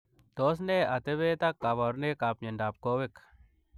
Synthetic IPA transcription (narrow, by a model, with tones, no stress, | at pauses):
t̪o˦s̬ne˦a˨t̪e˦βe˦t̪akːa˨βa˨ɾne˦kapɲe˨nɖa˨p̚ko˦we˦k